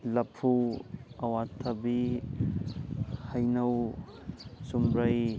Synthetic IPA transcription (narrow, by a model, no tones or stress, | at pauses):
lɐpʰːuɐwat̪ʰɐbi | hajnɐw | sumɾaj